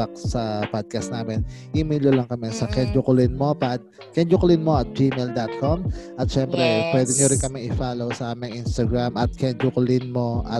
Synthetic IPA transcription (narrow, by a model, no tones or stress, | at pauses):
ɐksɐpad̪̚kɐst̪naːmɛnʔimilolɐŋkɐmɛsɐkɛnd͡ʒʊkʊlɪnmopad̪̚ | kɛnd͡ʒʊkʊlɪnmo̞ʔɐt̪̚d͡ʒimɛld̪ɐt̪̚komʔɐt̪̚ʃɛmpɾɛpwɛːd̪ɛŋɲuɾɪŋkɐmɪŋɪfaːlowsɐʔaːmɪŋʔinst̪ɐɡɹamɐt̪̚kɛnd͡ʒʊkʊlɪnmo̞ʔɐ̰t